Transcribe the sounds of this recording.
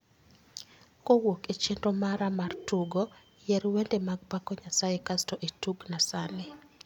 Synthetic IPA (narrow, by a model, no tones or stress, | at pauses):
kowoket͡ʃendomaɾamartuɡo | jɛɾwendemaɡ̚pakɔɲasajekastoʔetuɡnasale